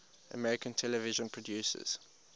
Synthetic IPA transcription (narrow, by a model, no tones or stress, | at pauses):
ʔə̰mɛɹɪkə̃ntʰɛləvɪʒə̃npʰɹ̥ɔdjuːsə̰z̥